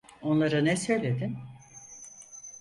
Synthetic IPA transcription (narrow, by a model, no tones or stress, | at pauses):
o̞nlˠaɾɯnɛsø̞jlʲe̞d̪in